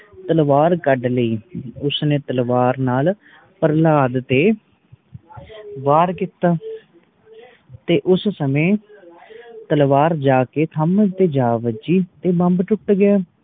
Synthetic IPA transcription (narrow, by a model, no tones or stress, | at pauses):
t̪əlʋaːɾkəɖləiːʊsnẽːt̪əlʋaːɾnaːl | pəɾlaːd̪t̪eː | ʋaːɾkit̪aː | t̪eːʔʊssəmẽː | t̪əlʋaːɾd͡ʒaːkeːt̪ʰəməd͡ʒt̪eːd͡ʒaːʋəd͡ʒiːt̪eːbəmbʈʊʈɡɪjaː